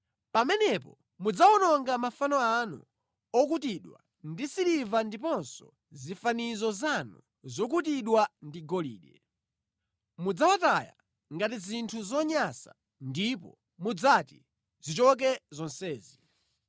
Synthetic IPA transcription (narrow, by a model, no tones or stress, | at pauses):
pamɛnɛpɔ | mud͡zaɔnɔŋɡamafanɔanṵ | ɔkutiɗwa̰ | ndisiɾivandipɔnsɔ | zifanizɔzanṵ | zɔk̬ut̬iɗwandiɡɔlḭːɗɛ | mud͡zawataja̰ | ŋɡat̬izintʰuzɔɲasa̰ | ndipɔ̰ | mud͡zati | zit͡ʃɔk̬ɛzɔnsɛːzi